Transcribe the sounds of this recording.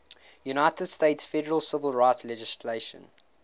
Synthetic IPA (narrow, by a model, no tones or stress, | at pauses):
junaɪtəd̥steɪtsfɛdəɹəlˠsɪvəlˠɹaɪtslɛd͡ʒɪsleʃə̰̃n